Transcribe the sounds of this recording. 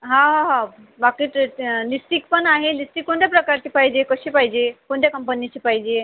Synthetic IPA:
ɦãɦãɦã | bakiʈlisʈikpənaɦelisʈ̪ikːõɳʈ̪japɾəkaɾt̪ipaid͡ʑekəɕipaid͡ʑekoɳʈ̪jakəmpənit͡ɕipaid͡ʑe

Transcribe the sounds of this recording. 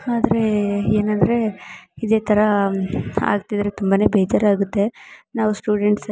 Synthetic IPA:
aːd̪ɐɾe̞eːnɐnd̪ɾe̞id̪e̞ːt̪ʰɐɾɐ | a̰ːɡt̪id̪ɐɾet̪umbɐne̞ːbeːd͡ʒɐɾaːɡut̪ːe̞naːʋusʈuːɖeɳʈs

